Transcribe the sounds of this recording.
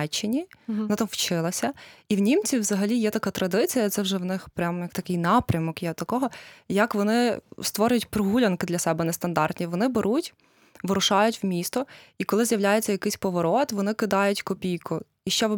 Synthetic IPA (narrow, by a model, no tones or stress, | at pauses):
ɛt͡ʃːɪnʲinɪt̪ɑwt͡ʃɪlˠɐsʲɐiwnʲimt͡sʲiwzɐɦɐlʲijɛt̪ɐkɑt̪ɾɐd̪ɪt͡sʲijɐt̪sɛwʒɛwnɪxpɾʲamjɐkt̪ɐkɪjnɑpɾʲɐmɔkjɛt̪ɐkɔɦɔjɐkʋɔnɪst̪ʋɔɾʲʊjʊtʲpɾɔɦulʲɐnkɪd̪lʲɐsɛbɛnɛst̪ɐnd̪ɑrt̪ʲnʲiʋɔnɪbeɾutʲ | ʋɪɾʊʃɑjʊtʲwmʲist̪ɔikɔlˠɪzjɐwlʲajet͡sʲːɐjɐkɪjsʲpɔʋɔɾɔt̪ʋɔnɪkɪd̪ɑjʊtʲkɔpʲijkʊ | iʃt͡ʃɛ